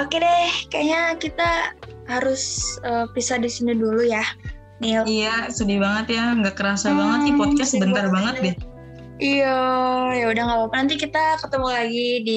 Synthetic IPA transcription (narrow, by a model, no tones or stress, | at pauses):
okedɛhkajaɲakit̪ahaɾʊsəpisadisiniduluja | nilijasədibaŋət̪jaŋɡaʔkəɾasabaŋət̪ɲipɔd̚kasəbənt̪arbaŋət̪̚bɛh | ijajaudaŋɡapapanant̪ikit̪akət̪əmulaɡidi